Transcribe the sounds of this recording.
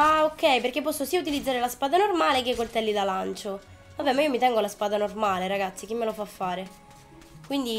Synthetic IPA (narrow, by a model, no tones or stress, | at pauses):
aokːɛjperkepːɔsːosiaut̪ilid̪zaːɾelaspaːd̪anormaːlek̟ekːolt̪ɛlːid̪alant͡ʃo | avɛmaiomit̪ɛŋɡolaspaːd̪anormaːleɾaɡat̪sːik̟imːelofafːaːɾe | kwind̪i